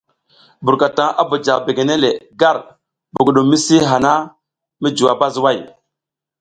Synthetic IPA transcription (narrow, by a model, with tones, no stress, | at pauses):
bu˨ɾka˨ta˨ŋa˦bo˨d͡ʒa˨ɣbe˨ɡe˨ne˦le˨ɡa˦˨ɾ | bu˨ɡɗu˨mi˦si˦ɦa˨na˦ | mi˦d͡ʒu˨a˨ba˦zwa˦˨j